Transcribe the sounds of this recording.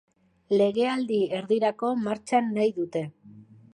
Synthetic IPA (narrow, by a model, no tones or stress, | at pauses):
le̞ɣe̞ald̪ie̞ɾðiɾako̞maɾt͡ʃanːajðut̪e̞